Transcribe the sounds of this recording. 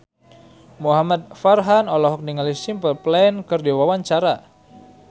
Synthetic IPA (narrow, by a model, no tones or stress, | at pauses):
muɦamat̪̚farɦanɔlɔɦɔk̚niŋalisimpəlplɛnkərdiwawaɲt͡ʃaɾa